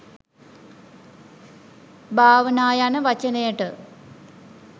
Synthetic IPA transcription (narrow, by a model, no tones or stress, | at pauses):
bʱaːʋɐnaːjaːnɨʋɐt͡ɕɐneːʈɨ